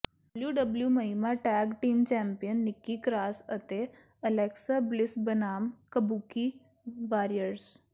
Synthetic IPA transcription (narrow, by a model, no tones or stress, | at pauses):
ɖəbljuɖɐbljumɐimaʈɛːɡʈiːmt͡ʃɛ̃ːmpijənːɪkːikɾaːsɐt̪e | ɐlɛːksablɪsbɐnaːmkəbuːki | ʋaːɾiəɾs